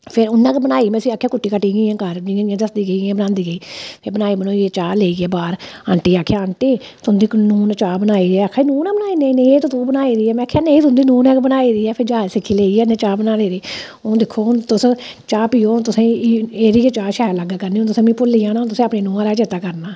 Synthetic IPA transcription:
pʰɪɾʊnːãːkbənaːiːmɛ̃ːsĩaːkʰjaːkʊʈːiːkəʈːiːɡĩːãːkəɾd͡ʒɪãːãːd̪əsd̪iːɡəiːɡãːbənãːnd̪iːɡəiːpʰebənaːiːmənũːet͡ʃaːleːiːɡɛːbaːɾəɳʈiːaːkʰːejaːəɳʈeː | t̪ʰʊnd̪iːknuːnt͡ʃaːbənaːiːɾɛːaːkʰːaːiːnũːnaːbənaːiːnẽneeːt̪ot̪uːbənaːiːɾiːɛːmɛ̃akʰːjaːnẽːt̪ʰʊnd̪iːnuːnɛːkbənaːiːɾiːɛːpʰɪɾd͡ʒaːd͡ʒsɪkʰːiːleːiːɛːnẽːt͡ʃaːbənaːleːɾeː | õːd̪ɪkʰːoːt̪ʊs | t͡ʃaːpiːoːt̪ʊsẽːeːɾiːet͡ʃaːʃɛːlaɡaːkəɾneːõt̪ʊsẽːmĩːpʊlːiːãːnaːt̪ʊsẽːapneːnũːãːɾaːt͡ʃeːt̪aːkəɾnaː

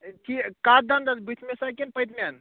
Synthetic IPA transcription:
ʈʰikkat̪̚d̪and̪at̪bit̪ʰmesakinpəjt̪man

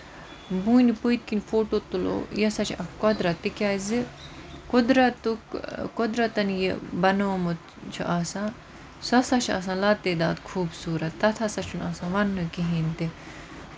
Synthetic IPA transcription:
buːnipuit̪̚kinʲfoːʈoːt̪ulo̰ːjɐsɐt͡ʃʰɐkɐd̪ɾɐt̪ːikʲaːzikʊd̪ɾɐt̪ukkod̪ɾɐt̪ɐnjibɐnomut̪ | t͡ʃʰḭʔaːsãː | sɐsat͡ʃʰɐ̰s̬ãːlaːt̪ed̪aːd̪kʰuːbsuːɾɐt̪ːɐt̪ʰɐsɐt͡ʃʰunaːsãːʋɐnːɨkiɦint̪i

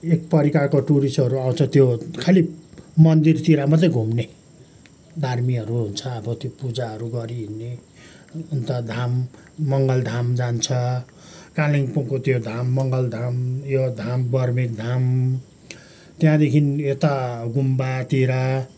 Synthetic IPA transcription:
ek̚pʌɾikakoʈuɾisʈʌɾuaw̃t͡sʰʌt̪jokʰalimʌnd̪irt̪iɾamat͡sãj̃ɡʱumne | d̪ʱarmiʌɾuɦunt͡sʰʌːbʌt̪jopud͡zaʌɾuɡʌɾiɦinːe | unt̪ʌd̪ʱamːʌŋɡʌld̪ʱamd͡zant͡sʰʌ | kaliŋpuŋkot̪jod̪ʱamːʌŋɡʌld̪ʱamjod̪ʱambʌrmik̚d̪ʱam | t̪jãd̪ekʰinjot̪aɡumbat̪iɾa

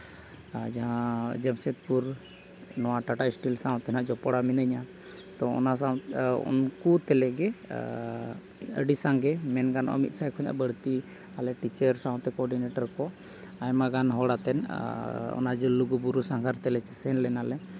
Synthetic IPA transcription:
d͡ʒaɦãd͡ʒɛmsɛt̪̚puɾ | nɔwaʈaʈaisʈilsaw̃t̪ɛnaʔd͡ʒɔpɔɽaminəɲa | t̪ɔɔ̰nasaṵnkut̪ɛlɛɡɛ | ə̰ɖisaŋɡɛmɛnɡanɔ̰ʔɔ̰mit̪̚ˀsajkʰɔɲa̰ʔbəɽt̪i | alɛʈit͡ʃəɾsaw̃t̪ɛkɔɔɾɖineʈaɾkɔ | ajmaɡanɦɔɽat̪ɛn | ɔ̰nad͡ʒɔluɡubuɾusaŋɡʰʱaɾt̪ɛlɛt͡ʃɛsɛnlɛnalɛ

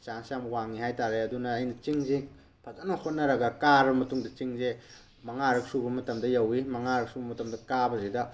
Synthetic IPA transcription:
t͡ʃaŋsamwaŋihajtaɾeɐdunɐːjnɐt͡ʃiŋze | pʰɐzɐnɐhot̚nɐɾɐɡɐkaɾbɐmɐtuŋdɐt͡ʃiŋze | mɐŋaɾɐk̚subɐmɐtɐmdɐjɐwimɐŋaɾɐk̚subɐmɐtɐmdɐkabɐzidɐ

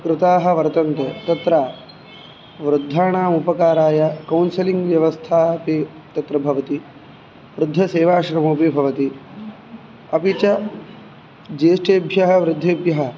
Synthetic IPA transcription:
kɾɪt̪aːɦɐ̆ʋɐɾt̪ɐnt̪ɐt̪ɐt̪ɾaː | ʋɾud̪ʱːaːɳaːmupɐkaːɾaːjɐkɐwnsɐliŋɡʋjɐʋɐst̪ʰaːpi | t̪ɐt̪ɾɐbʱɐʋɐt̪i | ʋɾɪd̪ʱːɐseːʋaːʂɾɐmuːpibʱɐʋɐt̪i | ɐpit͡ʃɐ | d͡ʒeːʂʈeːbʱjɐɦɐ̆ʋɾɪd̪ʱːeːbʱjɐɦɐ̆

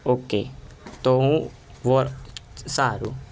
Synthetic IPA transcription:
oːkeːt̪oũ | ʋoɾsaːɾṵː

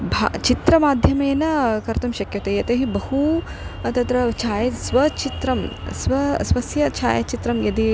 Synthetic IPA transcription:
bʱa̰t͡ʃit̪ɾɐmaːd̪ʱjɐmeːnɐkɐɾt̪ɐmʃɐkjɐt̪ejɐt̪ɐɦibɐɦut̪ɐt̪ɾɐt͡ʃʰaːjɐsʋɐt͡ʃit̪ɾɐmsʋɐsʋɐsjɐt͡ʃʰa̰ːjɐt͡ʃit̪ɾɐmjɐd̪i

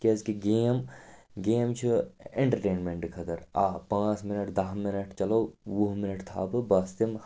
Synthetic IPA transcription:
kezkiɡeːmɡeːmt͡ʃʰueɳʈɐɾʈeːnmeɳʈkʰɐt̪ɐɾaːpãːt͡ʃmɪnɐʈd̪ɐɦminɐʈt͡ʃɐlɐwʋuɦmɪnɐʈt̪ʰa̰ːbɨbɐst̪im

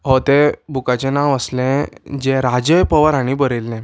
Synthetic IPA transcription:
ɦot̪ebʱukat͡ɕẽnaʋəslɛ̃d͡ʑẽɾad͡ʑəjpəʋəɾaɽ̃ibəɾelːɛ̃

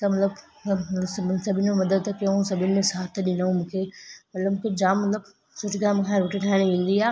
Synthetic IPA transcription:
t̪ɐmɐt̪ləb | ssɐbʱɪnɪmẽmɐd̪əd̪tkɐũsɐbʱɪnɪ̆mẽsaːt̪ʰɗɪ̃naũmũːkʰemɐt̪ləbmũːkʰed͡ʑaːmːɐt̪ləb | sʊd͡ʑɡaːmkʰãːɾʊʈʰiʈʰaːɪ̃ɽ̃iʋĩːn̆d̪iaː

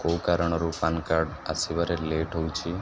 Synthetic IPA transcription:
kowkaɾɔɽ̃ɔɾupankaɾɖa̰sibaɾeleʈɦowt͡ʃʰi

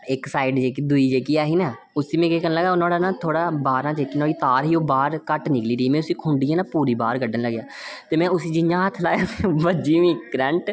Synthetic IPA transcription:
ɪksaːɪɖd͡ʒeːkiːd̪ʊiːd͡ʒeːkiːaːɦiːnaː | ʊsiːmɛ̃ːkeːkənːləɡaːʊnãːɽaːnãːt̪ʰoːɽaːbaːɾãːd͡ʒeːkiːnaːɽiːt̪aːɾɦiːoːbaːɾkəʈnɪkliːɾəiːmɛ̃ːʊsĩːkʰʊɳɖiːɛːnãːpuːɾiːbaːɾɡəɖənləɡjaː | t̪eːmɛ̃ːʊsiːd͡ʒɪɲãːt̪ʰlaːjaːɛbəd͡ʒiːʋĩːɡɾɛ̃ːɳʈ

